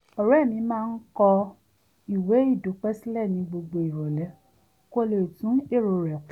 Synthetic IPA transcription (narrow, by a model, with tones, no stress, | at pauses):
ɔ˨ɾɛ˦˨mĩ˧˦mãː˦˧n̩˦kɔ˧ | i˨we˨˦i˦˨do˨˦k͡pɛ˦si˦lɛ˦˨nĩ˧ɡ͡bo˧ɡ͡bo˧i˨ɾɔ˨lɛ˨˦ | ko˦le˨tũ˨˦e˦˨ɾo˨ɾɛ˨